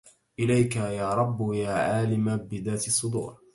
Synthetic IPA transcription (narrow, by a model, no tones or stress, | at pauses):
ʔɪlajkajaːɾˤɑbːjaːʕaːlɪmabɪðaːt̪ɪsˤːʊd̪ṵːɾ